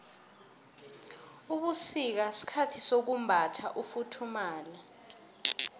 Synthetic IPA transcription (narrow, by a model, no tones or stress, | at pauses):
uɓusik̬asi̥kʰatʰisok̬um̩bʱatʰaʔufutʰumaːlɛ